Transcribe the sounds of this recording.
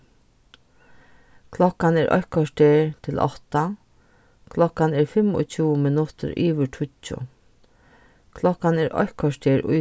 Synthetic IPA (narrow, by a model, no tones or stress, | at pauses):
kʰlɔkːanɛːɾʔɔ̰hkɔʂʈeːɹt̪ʰɪlʔɔ̰ht̪a | kʰlɔkːanɛːɾfɪmɔ̰t͡ɕʰuːmɪnʊt̪ə̰ɾʔiːʋəʈʰʊt͡ʃːʊ̰ | kʰlɔkːanɛːɾʔɔ̰hkɔʂʈeːɾʊ̰